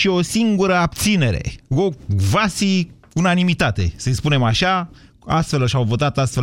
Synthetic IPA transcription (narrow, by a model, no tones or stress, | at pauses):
ʃio̞siŋɡuɾəabt̪sine̞ɾe̞̰ovasi | unanimit̪at̪e̞̰səjspune̞maʃa | ast̪fe̞lʃawvo̞t̪at̪ast̪fe